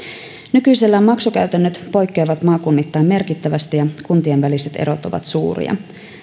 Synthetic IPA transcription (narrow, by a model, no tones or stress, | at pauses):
nykyjselːæːmːɑksukæɥt̪ænːøt̪po̞jkːejʋɑt̪mɑːkunːit̪ːɑjmme̞rkit̪ːæʋæst̪ijɑkunt̪ienʋælise̞t̪e̞̰ɾo̞t̪o̞ʋɑ̰t̪suːɾḭɑ̰